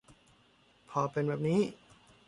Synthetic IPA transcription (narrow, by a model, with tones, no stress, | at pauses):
pʰɔː˧pe˧nbɛː˨˩p̚niː˦˥